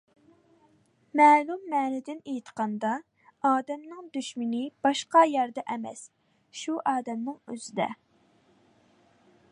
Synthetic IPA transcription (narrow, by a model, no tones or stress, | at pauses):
mɛːlumːɛːnɪd̪ɪnejt̪ʰqɑnd̪ɑ | ɑːd̪ɛmnɨŋd̪yʃmɪnɪb̥ɑʃqɑjæɾd̪ɛʔɛmɛ̰s | ʃuʔɑːd̪ɛmnɪŋø̰zɪd̪ɛ̰